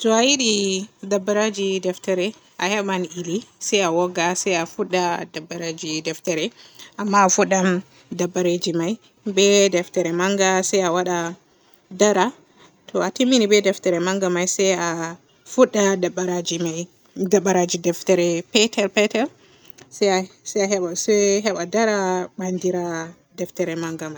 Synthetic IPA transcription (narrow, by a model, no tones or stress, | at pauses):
tɔajiɗidabːaɾad͡ʒidɛftaɾɛ | ʔahɛmanilisajawɔɡasajafuɗːadabːaɾad͡ʒidɛftaɾɛʔamːaːfuɗːam | dabːaɾed͡ʒimaj | bɛdɛftaɾɛmaŋɡasajawaɗa | daɾa | tʰɔatimːinibɛdɛftɛɾɛmaŋɡamajsɛja | fuɗːadabːaɾad͡ʒimaj | dabːaɾad͡ʒidɛftɛɾɛpɛtʰɛɾpɛtɛɾ | ssajaɦɛɓasɛɦɛɓadaɾaɓandiɾa | dɛftɛɾɛmaŋɡamajj